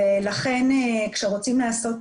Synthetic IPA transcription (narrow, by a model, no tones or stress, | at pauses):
elaχe̞nekʃeʁo̞t͡simleaso̞t